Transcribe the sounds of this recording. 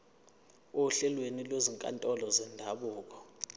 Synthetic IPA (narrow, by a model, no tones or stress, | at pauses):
oɬɛlwenilweziŋkʼa̰ntʼɔlɔzɛndʱaɓuːk̬ʼɔ̥